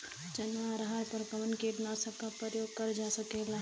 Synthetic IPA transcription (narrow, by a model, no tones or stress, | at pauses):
d͡ʒɐnaɾɦaɾpəɾkəmənkeːʈnasəb̚kapɾəjoːɡ̚kəɾd͡ʒasəkela